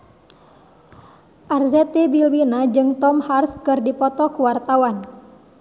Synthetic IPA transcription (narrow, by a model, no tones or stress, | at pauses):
ʔarzɛt̪ebilwinad͡ʒɨŋt̪ɔmharskɨrdipɔt̪ɔkuwart̪awan